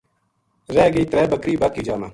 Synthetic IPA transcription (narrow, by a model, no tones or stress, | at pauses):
ɾɛːɡiːt̪ɾɛːbəkɾiːbaːkiːd͡ʒaːmaː